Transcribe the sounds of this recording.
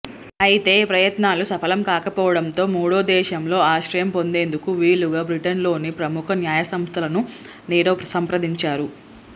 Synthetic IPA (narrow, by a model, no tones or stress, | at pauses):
ɐjit̪e̞ːpɾɐjɐt̪naːlusɐfɐlɐmkaːkɐpɔːʋɐɽɐnt̪o̞ːmuːɽo̞ːd̪ɛːʃɐmlo̞ːaːʃɾɐjɐmpo̞nd̪e̞ːnd̪ukuʋiːɭuɡaːbɾiʈɐnlo̞ːnipɾɐmukʰɐnjaːjɐsɐmst̪ʰɐlɐnu | niːɾɐpɐsɐmpɾɐd̪iɲt͡ʃaːɾu